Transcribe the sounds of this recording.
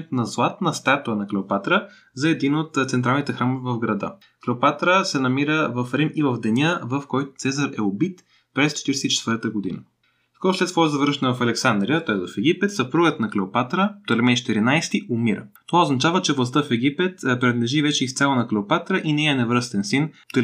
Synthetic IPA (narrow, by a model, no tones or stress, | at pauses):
t̪nɐzlˠat̪nəst̪at̪uənɐklɛopat̪ɾə | zɐɛd̪inot̪t̪sɛnt̪̬ɾalˠnit̪ɛxɾamovɛvɐvɡɾɐd̪ə̰ | klɛopat̪ɾəsɛnɐmiɾəvɐfɾimivɐvd̪ɛnʲəvɐfkɔjt̪ʊ̥t̪sɛzəɾɛobit̪ | pɾɛst͡ʃɛ̥t̪iɾɛsɛt̪it͡ʃɛ̥t̪vəɾt̪əɡod̪ḭnə | skɔɾʊslɛt̪svɔɾzɐvɾʃɛnɛvɐfɐlɛksand̪ɾijət̪ɔɛzvɐfɛɡipɛt̪sɐpɾuɡət̪nɐklɛopat̪ɾət̪olɛmɛnt͡ʃɛ̥t̪iɾinajst̪iʔʊmiɾə̰t̪ovaoznɐt͡ʃavət͡ʃɛvlˠɐst̪əfɛɡipɛt̪pɾɛnɐd̪lɛʒivɛt͡ʃɛist̪sjalˠɐnɐklɛopat̪ɾəʔinɛɛɐnɛvɾəst̪ɛnsint̪l